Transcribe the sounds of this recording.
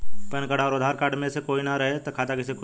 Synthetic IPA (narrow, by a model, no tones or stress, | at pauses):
pɛnkəɽaɔːɾʊd̪ʱaːɾkaːɾɖmẽsekoːinɐɾɐɦet̪okʰaːt̪akɪsek